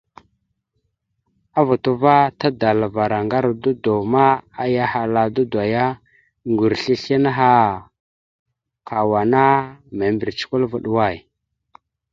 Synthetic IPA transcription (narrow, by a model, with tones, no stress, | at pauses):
a˦vu˨tu˦va˦ta˦da˨la˨va˨ɾa˨ŋɡa˦ɾdu˦do˨ma˦a˦ja˦ha˨la˨du˦dwa˨ja˦ | ŋɡu˨ɾɬi˦ɬi˦na˦ɦa˦ | kʰa˨wa˨na˦me˨mbi˨ɾt͡ʃi̥˦ku˦lva˦ɗu˦wa˦˨j